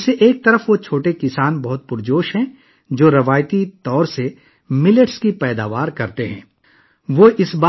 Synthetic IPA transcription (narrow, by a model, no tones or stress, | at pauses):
seʔeːk̚t̪ɐɾəfʋot͡ʃʰoːʈekɪsaːnbɐɦʊt̪̚pʊɾd͡ʒoːʃɦɛ̃ | d͡ʒoːɾɐʋaːjt̪it̪ɔːɾse | mɪləʈskipɛːd̪aːʋaːɾkɐɾt̪eɦɛ̰̃ː | ʋoːʔɪsbaː